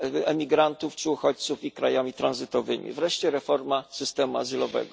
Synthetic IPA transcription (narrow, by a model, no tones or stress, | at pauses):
ɛmʲiɡɾant̪uft͡ʂɘuxɔt͡ɕt̪sufikɾajamʲit̪ɾanzɘt̪ɔvɘmʲḭvɾɛʂt͡ɕɛɾɛfɔɾmasɘst̪ɛmua̰zɘlɔvɛ̰ɡɔ